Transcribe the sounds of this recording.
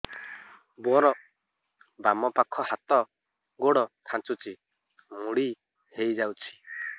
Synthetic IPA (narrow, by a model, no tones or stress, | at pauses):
bɔɾɔʔ | bamɔpakʰɔhat̪ɔ | ɡoɽɔkʰãnt͡ʃut͡ʃi | muɽi | hejd͡ʒawt͡ʃʰi̥